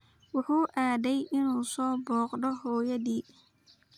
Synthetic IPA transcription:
wʊħuːʔaːðɛjʔɪnuːsɔːbɔːqɖɔhɔːjɐðiː

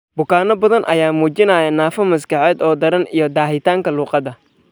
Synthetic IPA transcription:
bʊkʰaːnɔbɐðɐnʔɐ̰jaːmuːt͡ʃɪnɐːjɐnaːfɐmɐskʰɐʕɛːd̪ɔːd̪ɐɾɐnijɔd̪aːɦɪt̪ʰaːŋkʰɐluːqɑðɐ

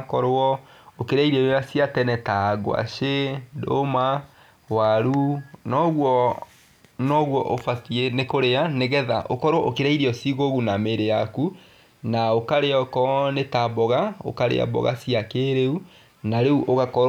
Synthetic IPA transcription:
kɔɾɔokeɾaiɾeojasiatɛnɛtaɡw̰a̰ʃedo̰ma | waɾunɔɣwɔ | nɔɣwɔʔofasienekoɾeaneɣɛða̰ʔokɔɾwɔʔokeɾaiɾeɔsiɣoɣunameɾejaku | naokaɾeɔkɔnetabɔɣao̰kaɾḛa̰bɔ̰ɣa̰siakeɾeu | naɾeuʔoɣakɔ

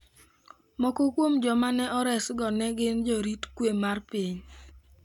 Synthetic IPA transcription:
mɔkokwomd͡ʒɔmanɛʔɔɾɛsɡɔnɛɡɪnd͡ʒoɾitkwemarpiɲ

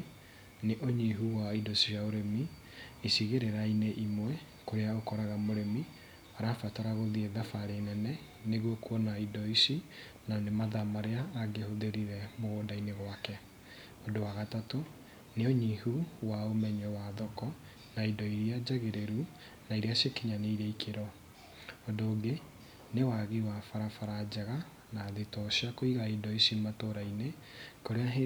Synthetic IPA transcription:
neʔoɲiɦuwaindosiaoɾemi | isiɣeɾeɾaineʔimwɛ | koɾeaokɔɾaɣamoɾemi | aɾafataɾaɣoðieðafaɾenɛnɛ | neɣwokuɔnaidɔisi | nanemaðamaɾeaːɡehoðeɾiɾɛmoɣodaineɣwakɛ | odowaɣatato | neɔɲihuwaomɛɲɛwaðɔkɔ | naidɔiɾiad͡ʑaɣeɾeɾu | naiɾeaʃekiɲaneiɾɛikʰeɾɔː | doːɡe | newaɣiwafaɾafaɾad͡ʑɛɣa | naðetɔɕiakoiɣaidɔisimatoɾaine | koɾeae

